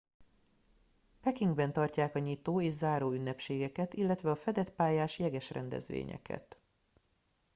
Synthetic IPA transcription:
pɛkiŋɡbɛnt̪ɒrcaːkɒɲit̪oːeːʒzaːɾoːynːɛpʃeːɡɛkɛt̪ilːɛt̪ʋɛɒfɛd̪ɛt̪paːjaːʃjɛɡɛʃrɛ̰nd̪ɛ̰zʋḛːɲɛ̰kʰɛ̰t̪

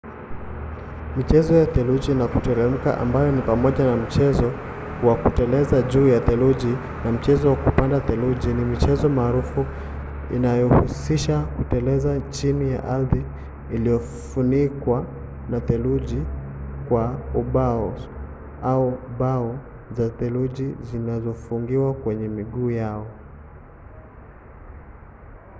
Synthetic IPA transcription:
mit͡ʃɛzɔjat̪ɛluʄinakutɛɾɛm̩ka̰ʔa̰mbajɔnipamɔʄanam̩t͡ʃɛzɔ | wakutɛlɛzaʄuːjatɛluʄi | nam̩t͡ʃɛzɔwakupandat̪ɛluʄinimit͡ʃɛzɔmaːɾufu | ḭnajɔhusiʃakutɛlɛzat͡ʃinija̰ʔalðiː | lijɔ | funikwa | natɛluʄikwauɓaɔ | auɓaɔ | zat̪ɛluʄizinazɔfuŋɡiwakwɛɲɛmiɠuːjaɔ

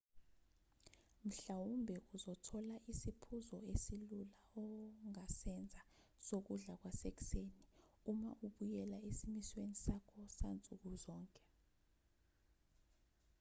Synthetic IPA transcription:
m̩ɬawumbʱɛʔuzɔtʰɔlaʔisipʰuzɔesilulaɔŋasɛnd͡zʱa | sok̬uɮak̬wasek̬ʼi̥seːniuma̰ʔuɓujɛlaesimiswenisakʰɔsant͡sʼuk̬uzɔːŋkʼɛ̥

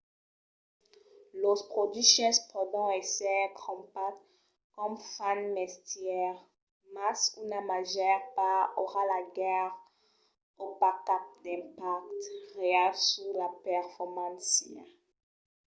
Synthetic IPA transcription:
lopχod̪ɥiʃɛspʰɔd̪ɔ̃ɛsɛkʰɔ̃mpat | kɔmfanmɛstjɛʁ | masunamaʒɛʁpaoʁalaɡɛʁ | opakap̚d̪ɛ̃pak̚t̪ʁeɛlsulapɛʁfɔʁmɑ̃nsja̰

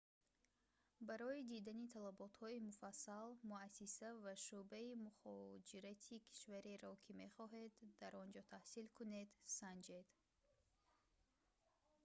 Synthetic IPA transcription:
baɾɔid̪id̪anit̪ʰalabɔt̪hɔimufasːalmuasisavaʃubaimuχɔd͡ʒiɾat̪ʰikʰi̥ʃvaɾeɾɔkʰime̞χɔɦe̞d̪ːaɾɔnd͡ʒɔt̪ʰahsilkʰune̞d̪sand͡ʒe̞d̪

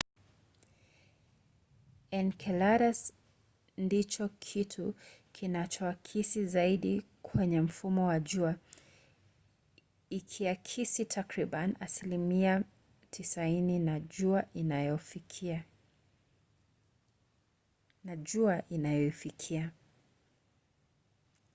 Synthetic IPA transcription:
ɛnkʰɛlaɾas | ndit͡ʃɔkʰitʰukʰinat͡ʃɔakʰisizaiɗi | kʰwɛɲɛm̩fumɔwaʄua | ikʰiakʰisitʰakɾiɓanasilimia | tʰisaininaʄuaʔinajɔfikʰia | naʄuaʔinajɔifikʰia

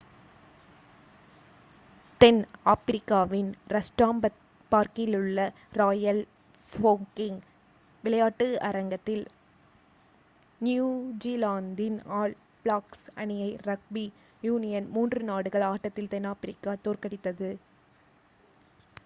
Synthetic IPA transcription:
t̪ɛnaːpɪɾɪkːaːʋɪnɾɐsʈaːmbɐ | paːɾkɪlɯɭːɐ | ɾaːjɐl | foːŋkɪŋ | ʋɪlɐjaːʈːɯɐ̰ɾɐŋɡɐt̪ːɪl | njuːd͡ʒiːlaːnd̪ɪnaːɭ | bɭaːksɐ̰ɳɪjɐɪɾɐk̚bi | juːnɪjɐnmuːndrɯnaːɽɯɣɐɭaːʈːɐt̪ːɪlt̪ɛnaːpɪɾɪkːaːt̪oːɾkɐɽɪt̪ːɐðɯ

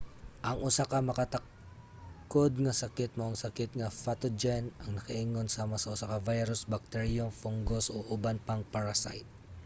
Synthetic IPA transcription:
ʔɐŋʔʊsakɐmɐkɐt̪ɐk̚ | ko̞d̪̚ŋɐsɐkɪt̪̚moʔɐŋsɐkɪt̪̚ŋɐfat̪od͡ʒɛnɐŋnɐkɐʔiŋo̞nsaːmɐsɐʔʊsakɐvajɾʊsbɐk̚t̪ɛɹiomfoŋɡosʔoʔʊbanpɐŋpɐɹasa̰jt̪̚

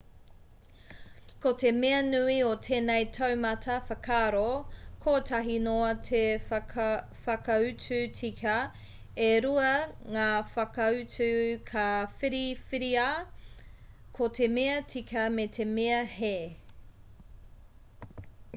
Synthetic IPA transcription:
kotemeɐnʉiotʰeːnejtʰɐwmɐtʰɐfɐkʰaːɾokʰoːtʰɐɦinoɐtʰe | fɐkɐʉt͡sʉt͡sʰikʰɐ | eɾuɐŋaːfɐkɐʉt͡sʉkʰafiɾifiɾia | kʰotʰemeɐtikʰɐmetʰemeɐheː

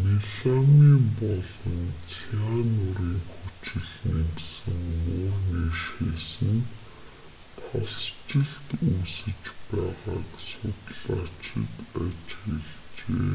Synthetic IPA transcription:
niɮamiːmpɔɮɞ̆nt͡sʰianʊɾiːŋxut͡ɕɪ̆ɮnemt̪sɘ̆ŋmʊːrniːʃeːsɘ̆n | t̪ʰɔst͡ɕɪ̆ɮt̪usɘ̆t͡ɕpæːʁaːksʊt̪ɮ̥aːt͡ɕɪ̰̆k̪at͡ɕxeɮ | t͡ɕeː

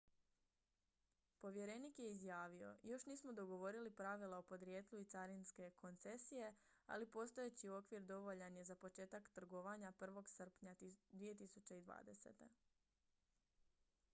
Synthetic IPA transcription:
po̞ʋje̞ɾe̞nikje̞izjaːʋio̞̰jo̞ʃniːsmo̞d̪o̞ɡo̞ʋo̞ɾilipɾaʋilˠaopo̞d̪ɾjeːt̪lˠuit̪saɾinske̞ko̞nt̪se̞sije̞ | a̰lipo̞st̪ojet͡ɕio̞kʋiɾd̪o̞ʋo̞ʎaɲezapo̞t͡ʃe̞ːt̪akt̪r̩ɡo̞ʋaɲapr̩ʋo̞ɡsr̩pɲad̪ʋije̞t̪isut͡ɕeid̪ʋa̰ːd̪e̞se̞̰t̪e̞

